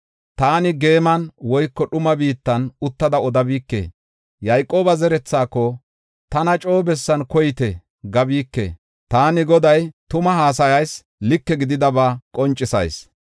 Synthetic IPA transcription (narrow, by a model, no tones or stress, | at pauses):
t̪aːnɪɡe̞ːmɐnwɔjkːɔɗʊmɐbiːt̪ːɐnʊt̪ːɐd̪ɐɔd̪ɐbiːkːḛː | jɐjkʼo̞ːbɐzɛɾɛt͡sːaːkːɔ | t̪ɐnɐt͡ʃʼo̞ːbɛsːɐnkɔjɪt̪ɛ | ɡɐbiːkːḛ | t̪aːnɪɡɔd̪ɐjt̪ʊmɐɦaːs̬ɐjɐjs | lɪkːɛɡɪd̪ɪd̪ɐbaːkʼɔnt͡ʃʼːɪsɐ̰js